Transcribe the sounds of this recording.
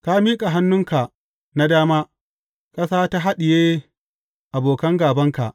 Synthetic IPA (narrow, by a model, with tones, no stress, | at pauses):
ka˦miː˦kʼa˨ɦa˦nːʊ˦ŋka˨ʔ | na˦daː˦maː˦ | kʼɐ˦saː˦ta˦ɦa˦ɗɪ˨jeː˦ | ʔa˨boː˨kɐ˦ŋɡaː˨bɐ˦ŋka˨ʔ